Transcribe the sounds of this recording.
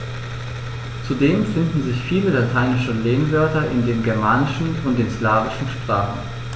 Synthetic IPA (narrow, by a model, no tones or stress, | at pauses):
t͡sudeːmfɪndn̩zɪçfiːləlatʰaɪnɪʃəleːnvœɐtɐʔɪndeːnɡɛɐmaːnɪʃn̩ʊnt̚d̥eːnslaːvɪʃn̩ʃpʁ̥aːχn̩